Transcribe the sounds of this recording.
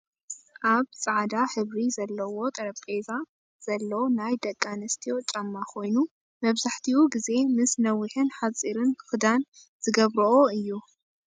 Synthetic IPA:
ʔaβt͡sʼaʕad̪aħɨβɾizɐlːɐwo̞t̪ʼɐɾɐβkʼeza | z̥ɐlːɐnajd̪ɐkʼːanɐst̪ʰijot͡ʃʼɐmːakʰo̞jnu | mɐβzaħt̪ʰiwuɡize̞mɨsnɐwːɨħɨnħat͡sʼiɾɨnxɨd̪an | z̥ɨɡɐβɾɐʔoɨjːu

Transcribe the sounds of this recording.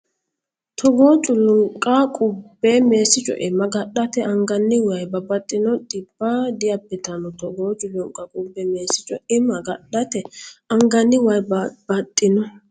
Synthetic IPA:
t̪ʰɔɡoːt͡ʃʼʊlʊŋkʼːɐkʼʊbːɛme̞ːsɪt͡ʃʼɔ̰ʔɪmːɐɡɐɗɐt̪ɛʔɐŋɡɐnːɪwɐjbɐbɐt̪ʼːɪnɔɗɪbːɐd̪ɪjɐbːɪt̪ɐnɔt̪ɔɡoːt͡ʃʼʊlʊŋkʼɐkʼʊbːɛme̞ːsɪt͡ʃʼɔɪmɐɡɐɗɐt̪ɛɐŋɡɐnːɪwɐjbbɐt̪ʼːɪnɔ

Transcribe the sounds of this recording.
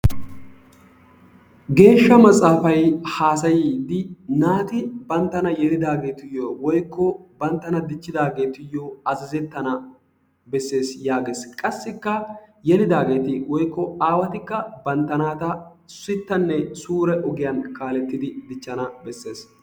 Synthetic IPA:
ɡe̞ːʃːɐmɐt͡sʼːaːfɐjhaːsɐjiːd̪ɪnaːt̪ɪbɐnt̪ːɐnɐjɛlɪd̪aːɡe̞ːt̪ɪjːɔwɔjkːɔbɐnt̪ːɐnɐd̪ɪt͡ʃːɪd̪aːɡe̞ːt̪ɪjːoɐzɐzɛt̪ːɐnɐ | bɛsːe̞ːsjaːɡeːskʼɐsːɪkːɐjɛlɪd̪aːɡe̞ːt̪ɪwɔjkːɔaːwɐt̪ɪkːɐbɐnt̪ːɐnaːt̪ɐsʊɪt̪ːɐnːɛsuːɾɛʔɔɡɪjɐnkaːlɛt̪ːɪd̪ɪd̪ɪt͡ʃːɐnɐbɛsːe̞ːs

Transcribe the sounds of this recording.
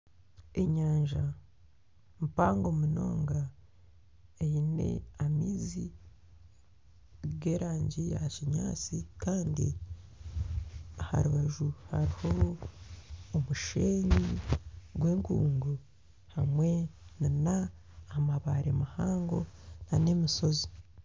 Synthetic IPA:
e̞ɲaːɲʒa | mpaːŋɡomuno̞ːŋɡa | ejine̞̰amiːzi | ɡe̞ːɾaːɲɟijaciɲaːt͡sikaːndḭ | aha̰ɾuβaʒuha̰ɾiho̞ | muʃeɲiɡwe̞ːŋkṵːŋɡu | hamwe̞ninaː | maβaɾemahaːŋɡo̞̰naneːmiso̞zi̥

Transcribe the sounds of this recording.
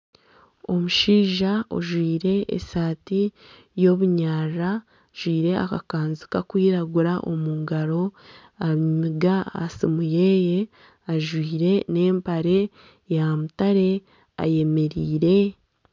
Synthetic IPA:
o̞muʃiːʒao̰ʒwiːɾe̞ʔḛsaːti | jo̞βuɲaːra | ʒ̥wiːɾe̞a̰kakaːnzikakwiːɾaɡuɾaʔo̞̰muːŋɡaɾo̞ | amiɡa̰ːsimujeːje̞ | aʒwiːɾe̞ne̞ːmpaɾe̞ | jamutaɾe̞ | a̰je̞me̞ɾiːɾe̞

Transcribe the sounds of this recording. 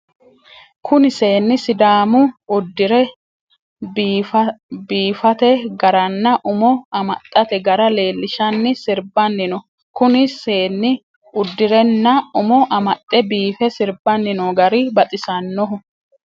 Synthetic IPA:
kʰʊnɪse̞ːnːɪsɪd̪aːmʊʊd̪ːɪɾɛ | biːfɐt̪ɛɡɐɾɐnːɐʔʊmɔɐmɐt̪ʼːɐt̪ɛɡɐɾɐle̞ːlːɪʃɐnːɪsɪɾbɐnːɪnɔ | kʊnɪse̞ːnːɪ | ʊd̪ːɪɾɛnːɐʊmɔʔɐmɐt̪ʼːɛbiːfɛsɪɾbɐnːɪnɔɡɐɾɪbɐt̪ʼɪsɐnːɔɦʊ

